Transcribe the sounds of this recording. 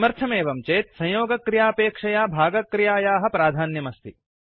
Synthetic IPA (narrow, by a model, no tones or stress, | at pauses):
mɐɾt̪ʰɐmeːʋɐmt͡ʃeːt̪sɐ̃joːɡɐkːɾijaːpeːkʂɐjaːbʱaːɡɐkːɾijaːjaːɦɐ̆pɾaːd̪ʱaːnjɐmɐst̪ʰi